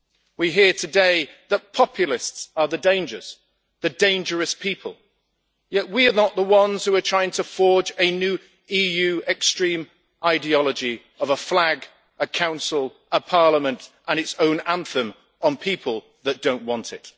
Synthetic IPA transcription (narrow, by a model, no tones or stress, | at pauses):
wiɦɪɹtʰɨdeɪðət̚pʰɒpʰjl̩ˠɪstsəðɨdẽɪ̃nd͡ʒə̰˞z̥ | ðɨdẽɪ̃nd͡ʒə˞ɨspʰipʰə̰l̩ˠ | jɛʔwiə˞nəʔ̪̚ðəwʌ̃nz̥hʉə˞tʰɹ̥aɪɪ̃ŋtʰəfɔɹd͡ʒɨnjʉː | ijʉɛkstɹ̥ĩm | ʔaɪdiɑlˠəd͡ʒi | ʌvəflaɡ | ʔəkʰãʊ̃nsəl̩ˠ | əpʰɑɹləmə̃ntʔə̃ñɨtsõʊ̃nãnθə̃m | ʔə̃npʰipʰəlˠ | ðət̚d̥õʊ̃nʔwɒ̃ntʰɪt